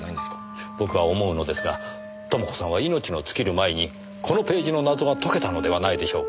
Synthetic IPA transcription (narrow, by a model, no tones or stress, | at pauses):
naĩnd̪e̥kḁ | bo̞kɯ̟βao̞mo̞ɯ̟no̞d̪e̞sɨɡa | t̪o̞moko̞̥sãβaino̞t͡ɕino̞t͡sɨ̥kʲiɾɯ̟maeɲ̟i | kʰo̞no̞pe̞ːʑino̞nazo̞ɡat̪o̞ke̞t̪ano̞d̪e̞βanaid̪e̞ɕo̞ːk